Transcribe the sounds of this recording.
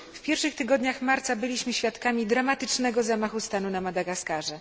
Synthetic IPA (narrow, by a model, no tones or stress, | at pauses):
fpʲjɛɾfʂɘxt̪ɘɡɔd̪ɲaxmaɾt̪sabɘlʲiɕmɘɕfʲjat̪kamʲid̪ɾamat̪ɘt͡ʂnɛɡɔzamaxust̪anunamad̪aɡaskaʐɛ